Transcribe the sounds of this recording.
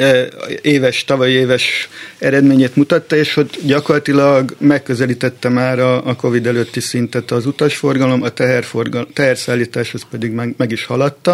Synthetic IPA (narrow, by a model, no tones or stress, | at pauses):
eːvɛʃt̪ɒvɒieːvɛʃɛɾɛd̪meːɲeːt̪mut̪ɒt̪ːɒeːʃo̞t̪ːɟɒko̞rlɒt̪ilɒɡmɛkːø̞zɛliːt̪ɛt̪ːɛmaːɾɒːko̞vid̪ɛløːt̪ːisint̪ɛt̪ɒzut̪ɒʃfo̞rɡɒlo̞mɒt̪ɛɦɛrforɡt̪ɛɦɛrsaːlːiːt̪aːʃho̞spɛd̪iɡmɛmɛɡiʃhɒlɒt̪ːɒ